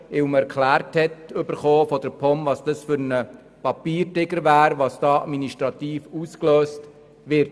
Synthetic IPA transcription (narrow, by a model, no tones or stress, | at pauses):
ɪwmɛɾkχlæːɾthɛtʏbəɾχoːfɔdəɾpʰɔmvɑsd̥ɑsfʏɾnə | pɑpiːɾtɪɡəɾʋæːɾʋɑːsd̥ɑːɑdminiʃtɾɑt̪iːfuːskløːst | ʋɪɾt